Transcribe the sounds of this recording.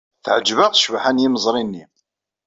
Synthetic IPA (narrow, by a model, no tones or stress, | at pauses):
θəʕəd͡ʒːvəʁθʃvħanjiməzˤɾˤinːi